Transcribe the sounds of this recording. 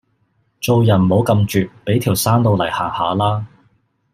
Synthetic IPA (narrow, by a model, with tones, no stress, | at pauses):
t͡so˧wjɐ˨˩nmo˨˥wkɐ˧mt͡ʃyː˨t̚pe˨˥jt̪ʰiː˨˩wsaː˥nt̪o˧wlɐ˨˩jha̰ː˨˩ŋhaː˨˧laː˥